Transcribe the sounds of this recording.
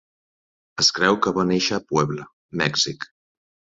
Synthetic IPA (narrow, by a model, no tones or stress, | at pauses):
əskɾɛwkəβaneʃəːpwɛβlə | mɛksik